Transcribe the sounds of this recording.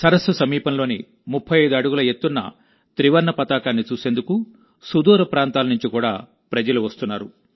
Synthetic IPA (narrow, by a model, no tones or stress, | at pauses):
sɐɾɐsɐsɐmiːpɐnlo̞ːnḭ | mupʰːɐjɐjd̪uɐɽuɡulɐe̞t̪ːunːɐ̰ | t̪ɾiʋɐɾnɐpɐt̪aːkaːnːit͡ʃuːse̞ːnd̪uku | sud̪uːɾɐpɾaːnt̪aːlɐnuɲt͡ʃikuːɽa̰ː | pɾɐd͡ʒɐluʋɐst̪unːaːɾu